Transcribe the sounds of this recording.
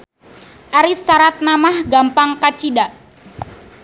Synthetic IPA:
ʔaɾisːaɾat̪̚namahɡampaŋkat͡ʃidaʔ

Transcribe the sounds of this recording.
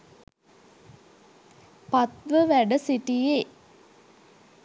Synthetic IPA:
pat̪ʋəʋæɖəsiʈije

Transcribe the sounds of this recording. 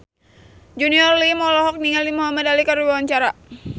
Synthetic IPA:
d͡ʒuniɔrlimɔlɔɦɔk̚niŋalimuɦamadalikaɾdibawaɲt͡ʃaɾa

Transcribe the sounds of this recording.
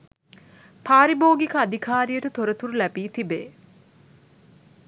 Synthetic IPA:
pʰaːɾiboːɡikəad̪ʱikʰaːɾijəʈət̪oɾət̪uɾulæbiːt̪ibḛː

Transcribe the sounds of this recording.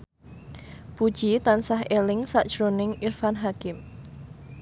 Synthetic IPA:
pud̥ʒ̥it̪ansaɦʔelɪŋsaʔd̥ʒ̥ɾonɪŋʔirfanɦakɪm

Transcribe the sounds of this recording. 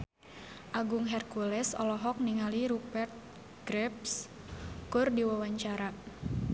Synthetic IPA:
ʔaɡʊŋɦɛrkulɛsɔ̰lɔɦɔk̚niŋaliɾubɛrt̪̚ | ɡ̥ɾɛp̚s | kʊrdiwawaɲt͡ʃaɾa

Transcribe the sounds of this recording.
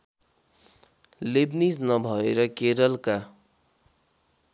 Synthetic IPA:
lebnisnʌbʱʌeɾʌkeɾʌlka

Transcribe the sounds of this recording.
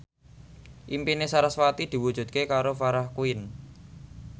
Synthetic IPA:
ʔimpinesaɾaswat̪id̪̥i̤wud̥ʒ̥ṳt̪̚kekaɾofaɾahkuɪn

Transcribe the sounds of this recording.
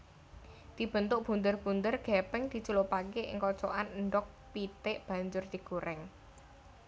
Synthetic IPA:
d̪̥i̤b̥ənt̪ʊk̚b̥ṳnd̪ərb̥und̪ərɡ̥ɛpɛŋd̪̥i̤t͡ʃulopakeʔɪ̰ŋkɔt͡ʃɔʔannɖɔk̚pit̪eʔb̥a̤ɲd͡ʒʊrd̪̥iɡ̥uɾʔɛŋ

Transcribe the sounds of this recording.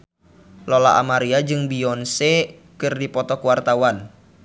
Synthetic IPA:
lɔlaʔa̰maɾiad͡ʒɨŋbiɔnsekɨrdipɔt̪ɔkuwart̪awan

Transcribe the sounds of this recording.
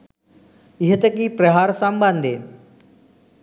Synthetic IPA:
ɪɦət̪ekipɾeɦaːɾsãmbãnd̪eː

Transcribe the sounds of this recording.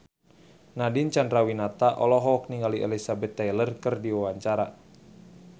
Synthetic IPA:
nadint͡ʃandrawinat̪aʔɔlɔɦɔːk̚niŋaliʔɛlisabɛt̪ːajlərkərdiwawaɲt͡ʃaɾa

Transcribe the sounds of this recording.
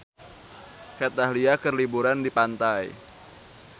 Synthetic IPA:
kɛt̪ahɦliakərlibuɾandipant̪aj

